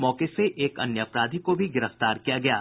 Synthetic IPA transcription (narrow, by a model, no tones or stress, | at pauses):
mɔːkeseʔeːkɐ̰njəəpɾaːd̪ʱikobʱiɡɪɾəft̪aːɾkijaɡɐjaː